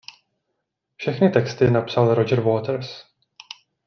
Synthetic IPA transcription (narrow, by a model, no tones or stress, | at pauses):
fʃɛxnɪt̪ɛkst̪ɪnapsalɾod͡ʒɛɾvoːt̪əɾs